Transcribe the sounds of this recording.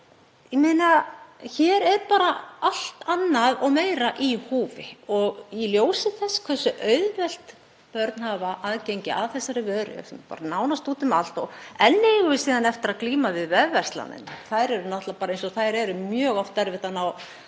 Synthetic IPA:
jɛmejnaçɛːɾɛɾpaːɾaal̥t̪anːaðɔɣmeːjɾaʔihuːvɪɔɣiljoːwsɪθɛsːkʰvɛsːʏʔœːɥðvɛl̥t̪ | pœɾt̪n̥havaʔaðcejɲcɪʔaðθɛsːaɾɪvœːðɾɪ̰sɛmpa̰ːɾanaːwnast̪uːt̪ʏmal̥t̪ɔɛnːɪɣʏsiːðanɛft̪ɪɾaðkliːmavɪðvɛðvɛr̥st̪la̰nɪ̰nθajɾɛɾʏnaht̪lapaːɾaejnsɔθajɾɛɾʏmjœːɣɔft̪ɛɾvɪht̪anaw

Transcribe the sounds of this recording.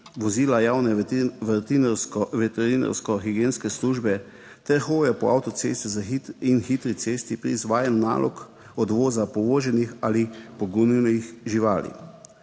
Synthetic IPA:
ʋɔziːlajawnɛʋɛt̪insʋɛt̪ɛɾina̰ɾskɔxiɡeːnskɛsluʒbɛ | t̪ɛɾxoːjɛpɔawt̪ɔsḛːst̪ɛzaiinxit̪ɾit̪seːst̪ipɾḭzʋaːjanna̰ːlɔ̰k | ɔd̪ʋoːzapɔʋoːʒɛnixalipɔɡunnixʒiʋaːlḭ

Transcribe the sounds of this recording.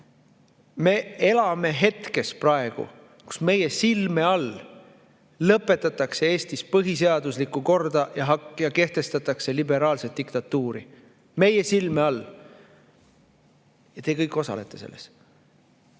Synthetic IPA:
me̞e̞lɑme̞ɦe̞t̪ke̞sprɑe̞ɡ̥ṵ | ku̥sme̞je̞silmeɑl | ɤpːˑe̞t̪ːˑɑt̪ːˑɑkse̞e̞ːst̪ispɤɦis̬e̞ɑd̪̥uslikːuko̞rd̪̥ɑjɑɦɑjɑke̞ht̪e̞st̪ɑt̪ːˑɑkse̞libe̞ɾɑːlse̞t̪̚ːikt̪ɑt̪ːuːɾḭ | me̞je̞silmeɑl | jɑt̪eːkɤjkːˑo̞sɑ̰le̞̰t̪ːˑe̞se̞̰lːes

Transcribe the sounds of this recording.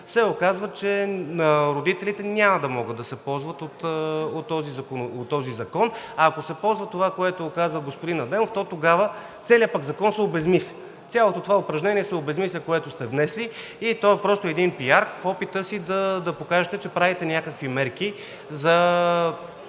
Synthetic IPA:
sɛokazvət͡ʃɛnɐɾod̪it̪ɛlit̪ɛnʲamɐd̪ɐmɔɡəd̪ːɐsɛpɔlˠzvət̪ot̪ot̪ːɔzizɐkonot̪ːɔzizɐkɔnaːkosɛpɔlˠzvɐt̪ovakoɛt̪oːkazvəɡospod̪inɐd̪ɛmoft̪ɔt̪oɡavə | t̪sɛliəpaɡzɐkɔnsɛobɛzmislʲɛ | t̪sʲalˠot̪ot̪ovaopɾɐʒnɛniɛsɛobɛzmislʲɛkoɛt̪ʊst̪ɛvnɛsli | it̪ɔɛpɾɔst̪oɛd̪inpiaɾkfɔpit̪əsid̪ɐd̪ɐpokaʒɛt̪ɛt͡ʃɛpɾavit̪ɛnʲjakəkvimɛɾk̟i | zɐ

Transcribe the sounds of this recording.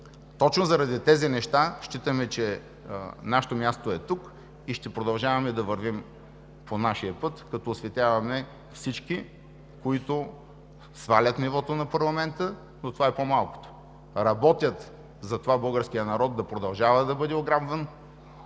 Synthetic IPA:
t̪ɔt͡ʃnozɐɾɐd̪it̪ɛzinɛʃt̪aʃt͡ʃit̪əmɛt͡ʃɛ | naʃɛ̥t̪omʲjast̪oɛt̪uk | iʃt̪ɛpɾod̪ɐlˠʒavɐmɛd̪ɐvɐɾvim | pʰonaʃiəpɤt̪kɐt̪ɔːsvɛt̪ʲavɐmɛ | fsit͡ʃki | koit̪o | svalʲət̪nivɔt̪onɐpɐɾlˠɐmɛnt̪ə | not̪ovaɛpomalˠko̥t̪o̥ | ɾɐbɔt̪ʲjət̪ | zɐt̪ovabɤlˠɡəɾskijənɐɾɔt̪d̪ɐpɾod̪ɐlˠʒavɐd̪ɐbɤd̪ɛoɡɾabvən

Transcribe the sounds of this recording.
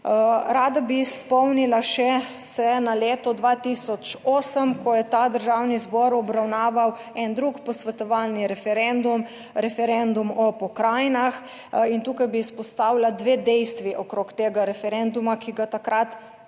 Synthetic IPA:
ɾaːd̪abispɔwnilaʃɛ | sɛnaleːt̪ɔd̪ʋat̪iːsɔt͡ʃoːsəmkɔjɛt̪ad̪əɾʒawnizbɔɾɔbɾawnaːʋaw | ɛnd̪ɾukpɔsʋɛt̪ɔʋalniɾɛfɛɾɛnd̪um | ɾɛfɛɾɛnd̪umɔpɔkɾaːjnax | int̪uːkajbispɔst̪aːwlad̪ʋeːd̪ɛjst̪ʋiʔɔkɾokt̪eːɡaɾɛfɛɾɛnd̪umakiɡat̪akɾat̪

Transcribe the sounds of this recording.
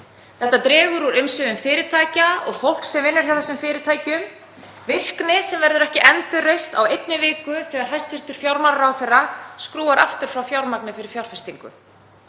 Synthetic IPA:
θɛht̪ːat̪ɾɛːɣʏɾuɾʏmsʏðʏmfɪːɾɪt̪ʰaːjcaɔɣfowl̥ksɛmvɪnːaɾ̥jawθɛsːʏmfɪːɾɪt̪ʰaːjcʏm | vɪr̥knɪsɛmvɛɾðʏɾɛhcɪʔɛnt̪ʏrejst̪awejt̪̚nɪvɪːkʏθɛːɣaɾ̥ɦajst̪vɪr̥t̪ʏɾ̥fjawɾmaɾaɾawθɛrːaskɾuːaɾa̰ft̪ʏɾ̥fɾawfjawɾmaknɪfɪɾɪɾ̥fjawɾ̥fɪst̪iŋkʏ̰

